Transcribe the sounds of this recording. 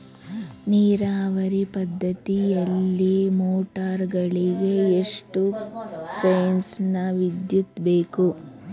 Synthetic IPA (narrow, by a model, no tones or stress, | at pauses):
niːɾaːʋɐɾipɐd̪ːɐt̪ijɐlːimoːʈaːɾɡɐɭiɡe̞eʂʈupʰeːnsnɐʋid̪jut̪be̞ːku